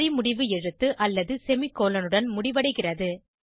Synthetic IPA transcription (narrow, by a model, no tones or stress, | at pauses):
ɾɪmʊɽɪʋɯɛɻɯt̪ːɯʔɐlːɐðɯsɛmɪkːoːlɐnɯɽɐnmʊɽɪʋɐɽɐɪɣɪrɐðɯ